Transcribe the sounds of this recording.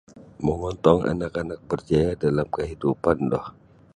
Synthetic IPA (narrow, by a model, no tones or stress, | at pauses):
məŋɔnt̪ɔŋa̰nakanak̚bərd͡ʒajadalamkəɦidupandɔ̰h